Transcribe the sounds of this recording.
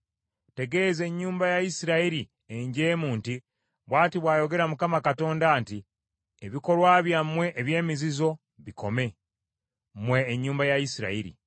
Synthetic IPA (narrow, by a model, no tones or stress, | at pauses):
te̞ɡe̞ze̞ɲːuːmbajajisiɾaiɾi | e̞ɲɟe̞ːmuːnti | βwaːtiβwaːjo̞ɡe̞ɾamukamakato̞ːndaːnti | eβiko̞lwaːβjamwe̞ʔːβje̞ːmizizo̞ | βiko̞me̞ | mwe̞ːɲːuːmbajajisiɾa̰iɾḭ